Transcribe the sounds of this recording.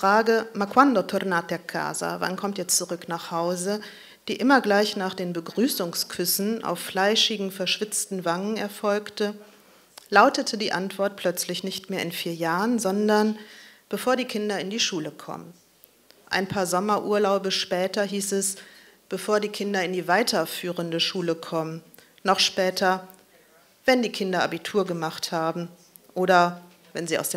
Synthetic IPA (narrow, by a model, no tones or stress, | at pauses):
fʁ̥aːɡəmakʰwandotʰʊɾnaːt̚d̥eːɐkʰa̰ːzɐ̰va̰nkʰɔmtjɛt͡stt͡suʁʏknaːχhaʊzə | d̥iːʔɪmɐɡlaɪçnaːχd̥eːnbəɡʁyːsʊŋskʰʏsn̩ʔa̰ʊfːlaɪʃɪɡŋ̩fɛɐʃv̥ɪt͡stn̩vaŋənɛɐfɔlktə | laʊtətʰədiːʔantv̥ɔɐt̚pʰl̥œt͡slɪçnɪçtmeːɐɪnfiːɐjaːʁənzɔndɐnb̥əfoːɐdiːkʰɪndɐɪndiːʃuːləkʰɔ̰mən | ʔa̰ɪnpʰaːɐzɔmɐʔuːɐlaʊbəʃpɛːtɐɦiːsɛs | b̥əfoːɐdiːkʰɪndɐɪndiːvaɪtʰɐfyːʁəndəʃuːləkʰɔmən | nɔχʃpɛːtʰɐ | vɛndiːkʰɪndɐabitʰuːɐɡəmaχthaːbm̩ | ʔoːɾɐ | vɛnziːa̰ʊsd̥eː